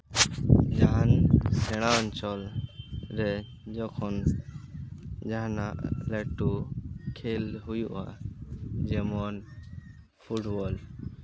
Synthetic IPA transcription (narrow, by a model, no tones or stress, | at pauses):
d͡ʒaɦansɛɽ̃ant͡ʃɔl | ɾɛ | d͡ʒɔkʰɔn | d͡ʒaɦanaʔlɛʈukʰelɦujuʔa̰ | d͡ʒɛmɔn | pʰuʈbɔl